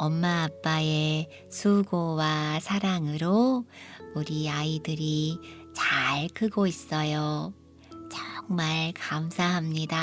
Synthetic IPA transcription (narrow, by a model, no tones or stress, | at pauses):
ʌmːaːp͈ae | sʰuɡowasʰaɾaŋɯɾo | uɾiaidɯɾi | t͡ɕaɭkʰɯɡois͈ʌjo | t͡ɕʌŋmaɭkamsʰaɦamɲida